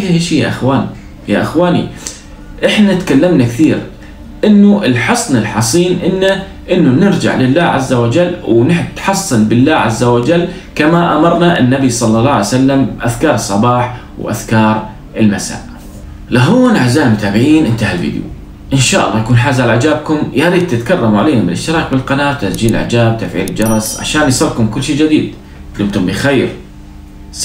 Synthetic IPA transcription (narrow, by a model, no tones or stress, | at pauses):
ʔaʃijaʔɪxwaːni | ja̰ʔɪxwaːnḭ | ʔɪħnat̪kalːamnakθiːɾ | ʔɪnːuʔɪlħɑsˤnɪlħɑsˤiːnʔɪnːa | ʔɪnːunɪɾd͡ʒa̰ʕlɪlːaːʕazːawad͡ʒalːwnɪħt̪ħɑsˤːɨlbɪlːaːʕa̰zːawad͡ʒalː | kamaʔamɑɾˤnaʔɪnːabisˤɑlːɑlˤːɑːʕajsalːamʔaðkɑːɾˤɨsˤːɑbɑːħ | wʔa̰ðkɑːɾˤ | ʔɪlmasa̰ːʔ | laɦuːnʕazaːnmʊt̪aːbɪʕiːnʔɪnt̪ahalvḭːd̪jṵ | ʔɪnʃaːʔɑ̰lˤːɑjakuːnħaːzaʕalaʕɪd͡ʒaːb̚kʊmjaɾiːd̪̚t̪ɪt̪kɑrˤːɑmʕaleːnamɪ̰lɪ̰ʃt̪ɪɾɑːk̚bɪlqɑnaːt̪ːasd͡ʒiːllʔʕa̰d͡ʒaːb̚t̪afʕḭːlɪld͡ʒɑɾˤɑsʕa̰ʃaːnjsˤɑɾkʊmkʊlːʃiːd͡ʒɪd̪iːd̪̚ | flɪmt̪ʊmbɪxeːɾ